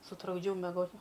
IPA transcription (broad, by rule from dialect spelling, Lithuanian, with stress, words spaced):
sʊtrʊɡˈd͡ʒʲɛʊ mʲɛˈɡoːt